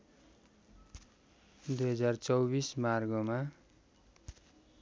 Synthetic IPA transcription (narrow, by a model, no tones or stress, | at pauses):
d̪ujɦʌd͡zart͡sʌwbismarɡʌma